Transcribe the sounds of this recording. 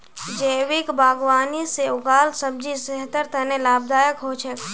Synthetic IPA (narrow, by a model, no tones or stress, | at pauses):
d͡ʒeːʋɪkbaːɡʋaːniseʊɡaːlsəb̚d͡ʒiseɦt̪əɾt̪ənelaːb̚d̪aːjəkɦot͡ʃʰe